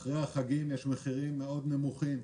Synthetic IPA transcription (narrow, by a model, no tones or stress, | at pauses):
χʁeaχaɡimjeʃmeχiʁimːeo̞d̪ne̞muχim